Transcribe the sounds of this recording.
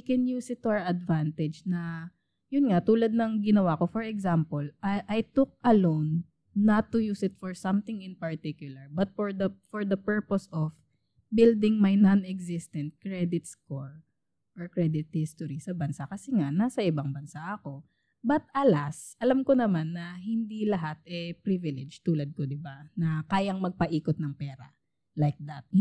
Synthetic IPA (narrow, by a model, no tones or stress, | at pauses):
wikɛnjuːsɪt̪ːʊaɹɐd̪vant̪ɛd͡ʒnɐ | jʊnŋat̪uːlɐd̪̚nɐŋɡɪnɐwakofɔɹɛɡsampolɐʔɐjt̪ʊk̚ɐlownː | ɐt̪ːʊjuːsɪt̪fɔɹsɐ̃mθɪŋɪ̃npɐɹt̪ikjʊlɐɹbɐt̪̚fɔɹd̪ɐfɔɹd̪ɐpɛɹposɔf | bɪld̪ɪŋmɐjnɐnɛɡsɪst̪ɛnt̪̚kɹɛd̪ɪt̪̚skoɹ | ʔɔɹkɹɛd̪ɪt̪̚hɪst̪ɔɾisɐbɐnsakɐsɛŋaʔnasɐʔɪbaŋbɐnsaʔɐko̞ | bɐt̪ʔɐlasʔɐlamkonɐmanːɐhɪnd̪ilɐɦat̪̚ɛpɾivɪlɛd͡ʒt̪uːlɐd̪̚kod̪ɪbanɐkaːjɐŋmɐɡ̚pɐʔiːkot̪̚nɐŋpɛːɾɐ̰ | lajk̚d̪at̪̚